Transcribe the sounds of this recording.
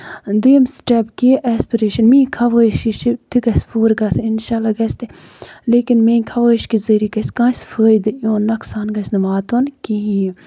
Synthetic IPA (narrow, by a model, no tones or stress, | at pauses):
d̪imsʈɛpkiʔɛspiɾeːʃɐnmĩːkʰɐʋəːʃiʃit̪ʰiɡɐsfuːɾɡɐsinʃaːlaɡɐst̪e | leːkinmẽːkʰɐʋəːʃkizɐɾikɐskãːsfəːjd̪ɨjoːnːɐksaːnɡɐsnɐʋaːt̪onkii